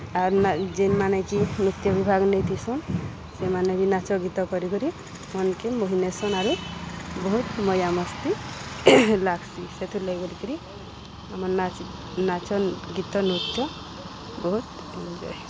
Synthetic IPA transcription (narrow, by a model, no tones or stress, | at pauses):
aɾnd͡ʒenmanekinut̪jɔbibʱaɡnəjt̪ʰisɔn | semanebʱinat͡ʃɔɡit̪ɔkɔɾikɔɾi | mɔnkemoɦinesɔnaɾubɔɦut̪mɔjamɔst̪i | laɡsiset̪ʰuləɡelikəɾi | əməɾna | nat͡ʃɔɡit̪ɔnut̪jɔ | bɔɦut̪ | nd͡ʒɔ̰j